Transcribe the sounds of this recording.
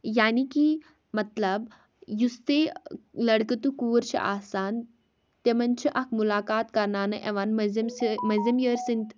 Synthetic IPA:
jaːniki | mɐt̪lɐb | just̪elɐɽkət̪ukuːɾt͡ʃʰḭʔa̰ːsaːn | t̪emɐnt͡ʃʰiʔɐkʰmulaːkaːt̪kɐɾnaːnɨʔeʋanmɐzmsimɐzimjəːɾsint̪

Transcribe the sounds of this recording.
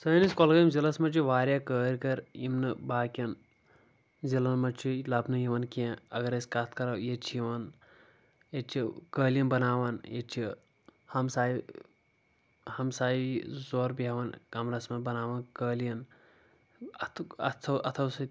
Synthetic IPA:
səːniskolɡɐjimzilɐsmɐt͡ʃʰiʋaːɾʲjakəːɾʲkɐɾimnɨbaːkʲɐn | zilɐnmɐt͡ʃʰilɐbnɨjiʋɐnkiẽɐɡɐɾɐsʲkɐt̪ʰkɐɾɐwjet͡ʃʰijiʋɐn | jet͡ʃʰikəːlʲjɐmbɐnaːʋɐnjet͡ʃʰi | hɐmsaːi | hɐmsaːiizoːɾbiɦɐʋɐnkɐmɾɐsmɐbɐnaːʋɐnkəːlijɐn | ɐt̪ʰɐt̪ʰɐt̪ʰɐwsɨ

